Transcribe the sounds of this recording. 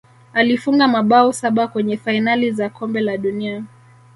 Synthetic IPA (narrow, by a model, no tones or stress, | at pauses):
alifuŋɡamaɓaɔsaɓakwɛɲɛfainalizakʰɔmbɛlaɗunia